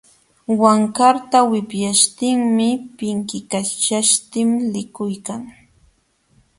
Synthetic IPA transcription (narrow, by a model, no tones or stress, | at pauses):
waŋkaɾt̪awɪpjaʃt̪ɪŋmɪpɪŋkɪkat͡ʃaʃt̪ɪmlɪkʊjkaŋ